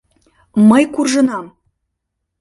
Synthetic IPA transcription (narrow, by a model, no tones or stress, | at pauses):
mɤjkurʒɤ̆nɑm